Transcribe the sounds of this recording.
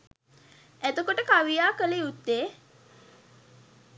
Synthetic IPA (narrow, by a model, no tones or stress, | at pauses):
æt̪əkoʈəkaʋijaːkəleut̪ːeː